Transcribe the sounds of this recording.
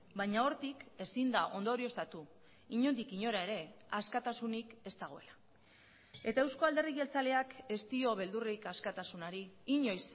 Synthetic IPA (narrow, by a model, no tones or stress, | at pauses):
bajɲao̞ɾt̪ike̞sind̪aʔo̞nd̪o̞ɾio̞st̪at̪u | iɲo̞nd̪ikiɲo̞ɾae̞ɾe̞askat̪asunike̞st̪aɣ̞o̞e̞la | e̞t̪ae̞wsko̞ald̪eriɣe̞lt͡sale̞ake̞st̪io̞βe̞ld̪urikaskat̪asunaɾiːɲo̞js